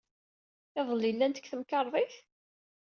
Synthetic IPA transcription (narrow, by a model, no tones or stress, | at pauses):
ɪðˤəlilːænt̪ə̥kːθəmkɑɾˤðˤiθ